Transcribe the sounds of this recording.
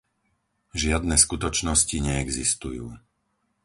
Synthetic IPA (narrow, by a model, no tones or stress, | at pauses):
ʒɪad̪nɛːskut̪ɔt͡ʃnɔsciɲɛɛɡzist̪ujṵː